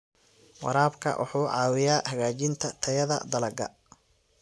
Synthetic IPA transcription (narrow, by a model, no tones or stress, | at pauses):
wɑ̰ɾaːbkʰɐ̰wʔʊ̰ħuːʕɑːwɪjaːhɐɣaːt͡ʃɪnt̪ʰɐt̪ʰɐjɐðɐ̰d̪ɐlɐɡɐ̰